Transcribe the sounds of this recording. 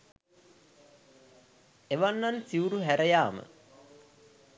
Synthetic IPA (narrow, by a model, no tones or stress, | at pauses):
eʋanːansiuɾuɦæɾəjaːmə̰